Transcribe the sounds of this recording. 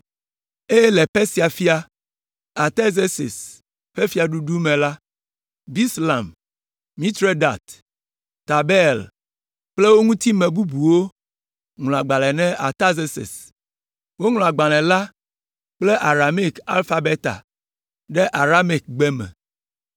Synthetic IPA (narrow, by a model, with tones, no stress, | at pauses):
e˦jɛ˦lɛ˨pe˦si˨a˨fi˦a˨ | a˨t̪e˦ze˦sḛ˨s | ɸe˦fi˨˦a˨ɖu˦ɖu˦mɛ̃˨la˦ | bi˦sla˨mː | ĩ˦t̪ɾe˦da̰˨t̪ | t̪a˨bɛ˦˨l | k͡ple˦wo˦ŋũ˦t̪i˦mɛ̃˨bu˦bu˨wo˦ | ŋl̃ɔ̃˨a˨ɡ͡ba˨lɛ˨nɛ̃˦ʔa˨t̪a˦ze˦sḛ˨s | wo˦ŋlɔ̃˨a˨ɡ͡ba˨lɛ̃˨la˦ | k͡ple˦ʔa˨ɾa˨me˦ka̰˦lfa˦be˦t̪a̰˨ | ɖɛ˦ʔa˨ɾa˦me˨k̚ɡ͡bɛ˦mɛ̰̃˨